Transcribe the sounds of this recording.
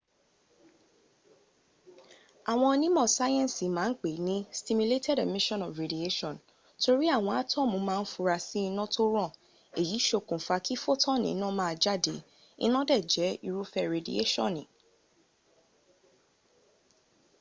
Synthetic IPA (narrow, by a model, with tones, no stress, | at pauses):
a˨w̃ɔ̃˧nĩ˦mɔ̃˦˨sa˦jɛ̃˦n˨si˨mãː˨˦n̩˦k͡pe˨nĩ˦sti˧mu˧le˦tʰɛ˦˨de˨mĩ˦ʃɔ̃˦nɔ˨fɾe˨di˨e˦ʃɔ̃˨n | to˧ɾi˦a˦˨w̃ɔ̃˧a˦tʰɔ̃˦mũ˨˦mãː˦˧n̩˦fũ˧ɾa˧si˦i˧nã˦tʰo˦ɾ̃ɔ̃˦˨ | e˨ji˨˦ʃo˧kũ˨fa˧kʰi˦fo˦tʰɔ̃˦˨nḭ̃˨˦nã˦mãː˦˧d͡ʒa˦˨de˨˦ | ḭ˦nã˦dɛ˦˨d͡ʒɛ˨˦i˧ɾu˦fɛ˦ɾe˨dḭ˨ḛ˦ʃɔ̰̃˦˨nĩ˨